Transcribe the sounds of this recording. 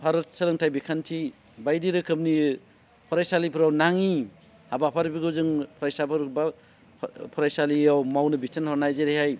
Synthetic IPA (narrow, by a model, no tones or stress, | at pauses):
pʰaɾɯt̚sɐlɯŋtʰajbikʰantʰi | bajdiɾɯkʰɯmni | pʰɔɾajsalipʰɯɾawnaŋi | habapʰaɾbiɡɯzɯŋpʰɔɾajsabʰɯɾba | pʰɔɾajsaliawmawnɯbitʰanhɔɾnajzeɾihaj